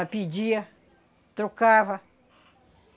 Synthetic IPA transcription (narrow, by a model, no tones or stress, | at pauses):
apid͡ʒia | t̪ɾukaβa